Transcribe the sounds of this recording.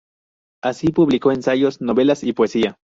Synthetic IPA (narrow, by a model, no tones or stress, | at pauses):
asipuβlikoensajosnoβelasipoesia